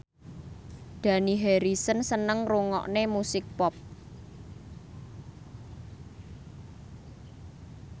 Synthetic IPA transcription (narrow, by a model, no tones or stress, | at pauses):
d̪̥ä̤niɦeɾisənsənəŋruŋɔ̰ʔnemusɪk̚pɔp̚